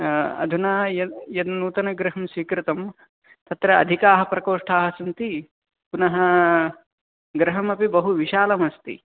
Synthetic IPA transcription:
ɐ̰d̪ʱunaːjɐjɐd̪nuːt̪ɐnɐɡɾɪɦɐmswiːkɾɪt̪ɐm | t̪ɐt̪ɾɐɐ̰d̪ʱikaːɦɐpɾɐkoːʂʈʰaːɦɐsɐnt̪i | punɐɦɐ | ɡɾɐɦɐmɐpibɐɦuʋiʃaːlɐmɐst̪ḭ

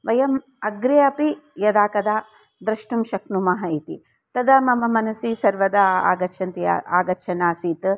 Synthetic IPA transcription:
ʋɐjɐm | ɐɡɾeːɐpijɐd̪aːkɐd̪aː | d̪ɾɐʃʈumʃɐknumɐɦɐit̪i | t̪ɐd̪aːmɐmɐmɐnɐsisɐɾʋɐd̪ɐa̰ːɡɐʃʰɐnt̪ija̰a̰ːɡɐt͡ʃʰɐnaːsiːt̪

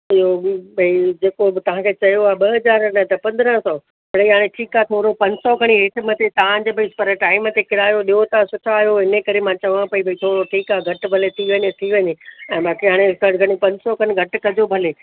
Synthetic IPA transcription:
ɪɦobʱɐid͡ʑeːkot̪ɐʋ̤ãkʰeːt͡ɕɐjoaːɓɐɦɐzaːɾnət̪ɐpɐ̃nd̪ɾə̃ɦsɔ | pɐɽiɦaːɽ̃eʈʰiːkaːɦt̪ʰoːɾopɐ̃ɲd͡ʑsɔɡʱɐɽ̃iɦɪʈ̆ʰmɐt̪ʰet̪ɐãd͡ʑebɐispɐɾʈaːɪmət̪ekɪɾaːjoɗijot̪asʊʈʰaːɦjoɦɪnekɐɾemãt͡ɕɐʋãpɐibʱɐit̪ʰoːɾoʈʰiːkaːɡʱɐʈbʱɐlet̪ʰiʋɐ̃ɲet̪ʰiʋɐɲeɛ̃ːbaːkiɦaːɽ̃ekɐɽɡʱɐɽ̃ipɐ̃ɲd͡ʑsɔkʰɐɽ̃ɪɡʱɐʈkɐd͡ʑobʱɐleː

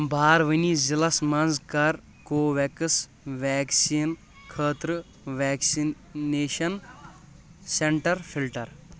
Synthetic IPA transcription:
bʱaːɾʋənizilɐsmɐnzkɐɾ | koːʋɛkɨs | ʋɛːksiːn | kʰəːt̪ɾɨ | ʋɛːksi | neːʃɐn | seɳʈɐɾfʰilʈɐɾ

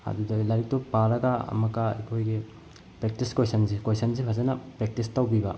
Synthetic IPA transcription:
ɐ̰dudɐlaɾik̚tupaɾɐɡɐɐ̰mɐkaḛkʰojɡe | pɾek̚tiskojsɐnsikojsɐns̬ipʰɐzɐnɐpɾek̚tistɐwbibɐ

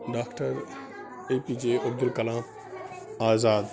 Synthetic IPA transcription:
ɖaːkʈəɾ | eːpiːd͡ʒeːʔʊb̚d̪ɪlkɐlãːm | aːzaːd̪

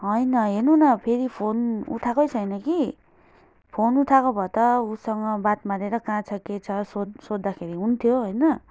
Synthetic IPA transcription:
ɦʌjnʌɦernunʌpʰeɾipʰonṵt̪ʰakojt͡sʰʌjnʌki | pʰonut̪ʰakobʱʌt̪ʌusʌŋɡʌbat̪maɾeɾʌkãt͡sʰʌket͡sʰʌsodsod̪ːakʰeɾiɦunt̪ʰjoɦʌjnʌ

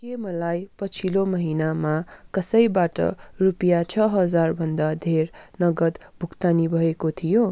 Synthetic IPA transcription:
kemʌlajpʌt͡sʰilomʌɦinamakʌsʌjbaʈʌ̰rupjat͡sʰʌɦʌd͡zarbʱʌnd̪ad̪ʱernʌɡʌt̪ | bʱukt̪anibʱʌekot̪ʰijo

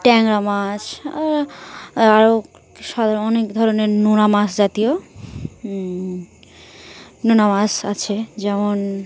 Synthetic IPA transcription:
ʈɛŋɾamaʃaɾ | aɾo | ʃɔd̪aɾɔnekd̪ʱɔɾoneɾnunamasd͡ʑat̪ijo | nunamasat͡ɕʰed͡ʑɛmon

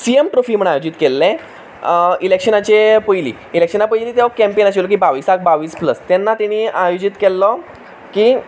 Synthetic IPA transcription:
siemʈɾofiːm̤əɳajod͡ʑit̪kelːẽ | ilekɕənat͡ɕepəjlḭː | ilekʂənapəjliːt̪eʋakɛmpenat͡ɕilok̬ibaʋiːsak̚baʋiːspləst̪jɛnːat̪ɛɽ̃iajod͡ʑit̪kelːɔ | kiː

